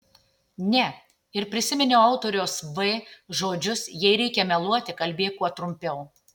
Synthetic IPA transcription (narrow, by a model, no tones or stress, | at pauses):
nʲɛ | ɪɾpʲɾʲɪsʲɪmʲɛnʲɛːɐʊt̪oːɾʲoːsʋɛʒoːd͡ʒʲʊsjɛɪɾʲɛɪkʲɛmʲɛlˠuɔt̪ʲɪkɐlʲbʲeːt̪kuɔt̪ɾʊmʲpʲɛʊ